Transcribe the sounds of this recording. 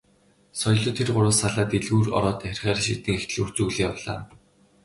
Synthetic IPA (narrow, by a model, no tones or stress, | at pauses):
sɔj̆ɮʊ̆t̪ʰːerɢʊɾʊ̆ːsaɮaːt̪iɮɣuːrɔ̰ɾɔːt̪æxʲɪ̆rχæːrʃit̪ĭːŋext̪ɘ̆ɮur̥t͡ɕuːɮĭːjawɮa̰ː